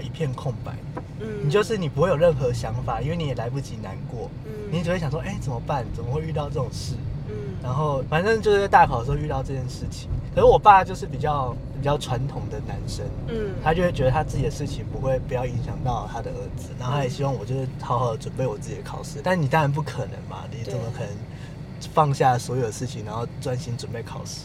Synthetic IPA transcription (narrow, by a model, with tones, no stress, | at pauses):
i˧pʰjɛ˥˧nkʰʊ˥˩ŋpa̰˨˩ɪ | ni˨˩t͡ɕjo˥˧ʊʂɻ̩˥˩ni˨˩pu˧˥xwe˥ɪjo˨˩ɻə˥˩nxɤ˧ɕjɑ˧˥ŋfa˨˩i˥nwe˥˩ɪni˨˥jɛ˨˩la˧˥ɪp̬u˥˩t͡ɕi˧˥na˧˦nkwɔ˥˩ | ni˨˥t͡ɕwɕɑ˨˩swo˥˧ʔe˥˩ɪt͡sə˨˩mə˦pa˥˩nt͡sə˨˩mə˦xwe˥˧ɪy˥˧t̪ɑ˥˧ʊʈ͡ʂɤ˥˩ʈ͡ʂʊ˨˩ŋʂɻ̩˥˩na˧˥nxo˥˩ʊfa˨˩nʈ͡ʂə˥ŋt͡ɕjʊʂ̩˥˧a˥˧ɪa˥˩kʰɑ˨˩də˩ʂ̩˧xo˥˧y˥˧t̪ɑ˥˧ʊʈ͡ʂɤ˥˧t͡ɕjɛ˥˧nʂɻ̩˥˩t͡ɕʰi̥˨˦ŋkʰə˨˩ʂ̩˥˩wɔ˨˩pa˥˩a˩t͡ɕjo˥˧ʊʂɻ̩˥˩pi˨˩t͡ɕjɑ˥˩ʊ | pi˨˩t͡ɕjɑ˥˩ʊʈ͡ʂʰwa˧˦nt̪ʰʊ˧˥ŋd̪ə˨na˧˦˥nʂə˦nt̪ʰa˥t͡ɕo˥ʊxwe˥˩t͡ɕɥɛ˧˥d̪ə˧t̪ʰa˥t͡sɹ̩˥˩t͡ɕi˨d̪ə˦ʂɻ̩˥˩t͡ɕʰi˨˩ŋpu˧˦xwe˥˩ɪpu˧˥jɑ˥˩ʊi˧˥ŋɕjɑ˨˩ŋt̪ɑ˥˩ʊt̪ʰa˥d̪ə˨ə˞˧˥d͡zɹ̩˨˦na˧˥nxo˥a˥˩jɛ˨˩ɕi˥wɑ˥ŋwɔ˨˩t͡ɕjo˥˧ʊʂwe˥˩ɪxʰɑ˥ʊxɑ˨˩ʊdə˦ʈ͡ʂwə˨˩npe˥˩ɪwɔ˨˩t͡sɹ̩˥˩t͡ɕi˨˩ə˦kʰɑ̰˨˩ʊʂɻ̩˥˦t̪a˥˩nni˨˩t̪a˥ɻa˧˥np̬u˥˩kʰə˨˩nə̰˧˦ŋma̰˨ni˨˩t͡sə˨˩mə˦xʰə˨˩nə˩˦ŋ | fɑ˥˧ŋɕja˥˩swɔ˧˥jo˨˩ʊd̪ə˩ʂɻ̩˥˩t͡ɕʰi˨ŋna˧˥nxo˥˧ʊʈ͡ʂwa˥nɕi˥nʈ͡ʂwə˨˩npe˥˩ɪkʰɑ˨˩ʊʂɻ̩̥˥˦